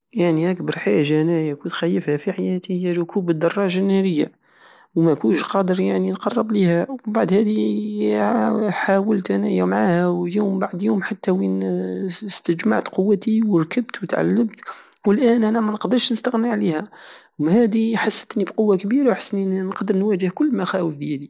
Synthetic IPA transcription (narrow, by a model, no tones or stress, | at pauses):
jaʕniʔakbɑɾˤħaʒænæjækut̪xæjːəfhæfiħajæt̪ihəjːæɾʊkʰubəd̪ːɑrˤːɑʒanːæɾəjːa | wmækunʃqɑd̪əɾjaʕninqɑrˤːɑblihæwbaʕd̪hæd̪i | ħawəlt̪ʔænæjæmʕahæwjuːmbaʕd̪juːmħat̪ːæwi | st̪əd͡ʒma̰ʕt̪qʊwːæt̪iwəɾkəbt̪wət̪ʕa̰lːəmt̪wəlʔæːnʔænæmænəqd̪əɾˤʃnəst̪aɣniʕlihæwhæd̪iħasːə̥t̪nibqʊwːakbiɾawħə̥sːninqd̪əɾnwæʒəhkʊlːmæxæwəfd̪jæd̪i